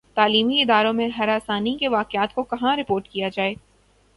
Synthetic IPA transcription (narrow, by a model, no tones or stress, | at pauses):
t̪aːliːmiɪd̪aːɾõmẽɦɐɾaːsaːnikeʋaːkɪaːt̪kokɐɦãɾɪpoːɾʈkijad͡ʒaːeː